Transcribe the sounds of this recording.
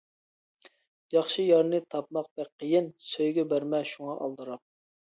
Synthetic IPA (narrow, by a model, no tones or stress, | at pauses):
jɑχʃijɑɾnɨt̪ʰɑp̚mɑq̚bɛk̚ʲqʰəjɪnsøjɡʲɛbæɾmɛʃuŋɑʔɑ̰lˠd̪ɨɾɑm̚